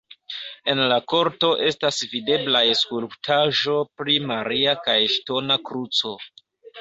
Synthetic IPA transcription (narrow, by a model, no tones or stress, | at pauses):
e̞nlako̞ɾto̞ʔe̞stasvide̞blajeskulptʰaʒo̞pɾimaɾiakajʃto̞nakɾut͡so̞